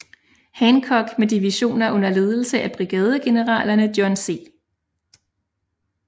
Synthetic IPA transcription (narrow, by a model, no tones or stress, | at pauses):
hænkʰɒ̽ɡ̥med̥iʋiɕo̝̰ːnɐʔɔ̽n̰ɐle̝ːð̞ˠl̩səʔæb̥ʁiɡ̥ɛːð̞ˠəɡ̥e̝nəʁɑ̰̈ːlɐnəd̥jɒnse̝̰ː